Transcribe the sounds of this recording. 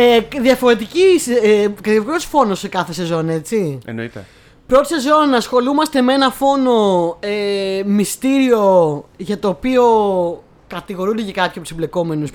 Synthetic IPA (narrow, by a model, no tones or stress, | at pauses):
eðiɐfo̞ɾe̞t̪iciskɐt̪sfo̞nosekɐθe̞se̞zo̞ne̞t͡siḛno̰it̪ḛ | pɾot̪i̥se̞zo̞nnɐsxo̞lumɐst̪e̞mee̞nɐfo̞no̞emist̪iɾio̞ʝɐt̪oːpio̞ | kɐt̪iɣo̞ɾund̪ecekɐpçɐpt̪usemble̞ko̞me̞nus